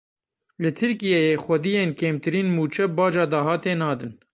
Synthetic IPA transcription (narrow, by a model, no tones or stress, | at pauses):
lɨt̪ʰɨɾkijejeːxʷɛd̪ijeːnkeːmt̪ɨɾiːnmuːt͡ʃʰɛbɑːd͡ʒɑːd̪ɑɦɑːt̪eːnɑːd̪ɨn